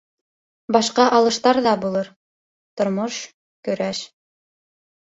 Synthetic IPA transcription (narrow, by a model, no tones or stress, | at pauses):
bɑʃqɑʔɑlˠɤ̆ʃt̪ɑɾðɑbulˠɤɾ | t̪ŏɾmoʃ | kɵ̆ɾæʃ